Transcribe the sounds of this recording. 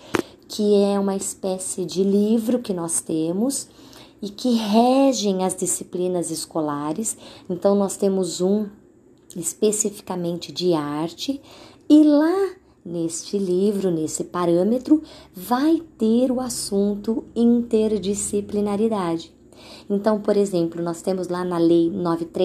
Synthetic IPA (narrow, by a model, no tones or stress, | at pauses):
kʰɪɛũmɐɪspɛsɪd͡ʒɪlivɾʊkɪnɔst̪ẽmʊs | ɪkɪɦɛʒẽj̃ɐzd͡ʒisiplĩnɐzɪskolaɾɪsẽnt̪ɐ̃w̃nɔst̪ẽmʊzũ | ɪspesifi̥kamẽnt͡ʃɪd͡ʒɪaɾt͡ʃɪ | ɪla | nest͡ʃɪlivɾʊnesɪpaɾɐ̃met̪ɾʊvajt̪eɾʊasũnt̪ʊĩnt̪eɾd͡ʒisiplinaɾid̪ad͡ʒɪ | ẽnt̪ɐ̃w̃poɾezẽmplʊnɔst̪ẽmʊzlanɐlejnɔvɪt̪ɾe